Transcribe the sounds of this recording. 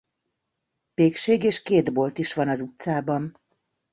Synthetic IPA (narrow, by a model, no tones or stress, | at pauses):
peːkʃeːɡeːʃkeːd̪bo̞lt̪iʃʋɒnɒzut̪saːbɒn